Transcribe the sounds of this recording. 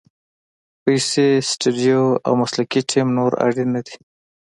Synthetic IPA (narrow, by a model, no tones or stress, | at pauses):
pajsesʈeɖijoa̰wmaslakiʈʰimnoɾa̰ɽinad̪i̥